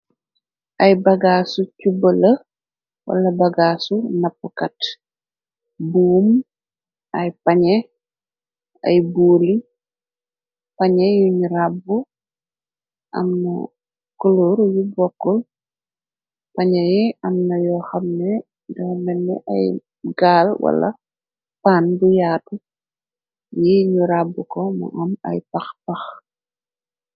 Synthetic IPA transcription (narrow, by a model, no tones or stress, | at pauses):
ʔɐjbɐɡasucubələ | wɐ̰lɐbɐɡaːsunɐpːukɐt | buːm | ɐjpɐɲɛ | ɐ̰jbuːli | pɐɲɛjuɲɾabu | ʔɐ̰mnɐ̰ | kulɔɾjubɔkːɔl | pɐɲɛjiɐmnɐjɔxɐmnɛ | ndɔmɛnːɛ̰ʔɐ̰j | ɡaːlwɐ̰lɐ̰ | paːnbujaːtu | jiɲuɾabːukɔmɐ̰ʔɐmɐ̰jpɐxpɐx